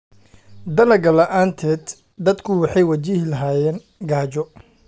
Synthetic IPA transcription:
d̪ɐlɐɡɐlɐʔaːnt̪ʰɛːd̪ | d̪ɐd̪kʰʊwɑħɑjwɐt͡ʃɪhlɐɦaːjɛːn | ɡaːt͡ʃɔ

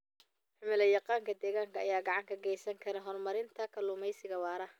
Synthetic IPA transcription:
ħʊmɪlɐjɑqɑːŋkʰɐd̪ɛːɣaːŋkʰɐːjaːɡɑʕɑŋkʰɐɡɛjsɐŋkʰɐɾɐɦɔrmɐɾɪnt̪ʰɐkʰɐlʊmɛjsɪɣɐwɑːɾɐ

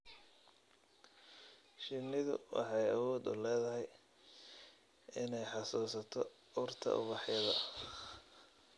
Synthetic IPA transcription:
ʃɪnɪðʊ̰wʔɑ̰ħɑjɐ̰wɔːd̪ʊ̰lɛːðɐɦɛj | ɪnɛjħɑsuːsɐt̪ʰɔ | ʊrt̪ʰɐ̰ʔʊ̰βɑħjɐðɐ̰

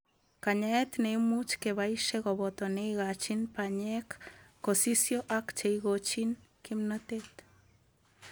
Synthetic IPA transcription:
kaɲaɛt̪neimut͡ʃkeβaiʃeɣɔβɔt̪ɔneiɣat͡ʃinpaɲɛkː | osisjoʔakt͡ʃeiɣot͡ʃinkimnat̪et̪

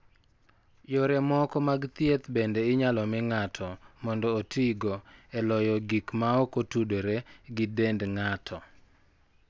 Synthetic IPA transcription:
joɾɛmɔkɔmaɡt̪jet̪bendeɪɲalɔmɪŋatʰɔmɔndɔːtʰiɡɔɛlɔjɔɡikmaɔkotudoɾeɡɪdendŋatʰɔ

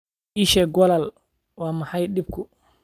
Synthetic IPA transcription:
ʔiʃɛɡɔlal | waːmahajɗib̚ku

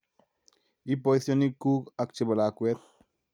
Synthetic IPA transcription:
ipoiθjonikːukak̚t͡ʃebalakwet̪̚

